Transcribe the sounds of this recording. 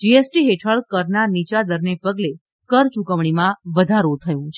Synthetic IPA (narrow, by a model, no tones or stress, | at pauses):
d͡ʒiesʈiɦeʈʰəɭkəɾnanit͡ʃad̪əɾnepəɡle | kəɾt͡ʃukəʋɳimãʋəd̪ʱaɾot̪ʰəjũt͡ʃʰe̥